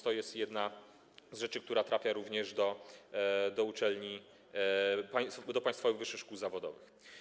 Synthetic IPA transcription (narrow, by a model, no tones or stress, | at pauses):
t̪ɔjɛst̪jɛd̪na | zʐɛt͡ʂɘk̚t̪uɾat̪ɾafʲjaɾuvɲɛʐd̪ɔ | d̪ɔut͡ʂɛlɲi | pajd̪ɔpajst̪fɔvɨɣvɘʂːɘxʂkuwzavɔd̪ɔ̰vɘ̰x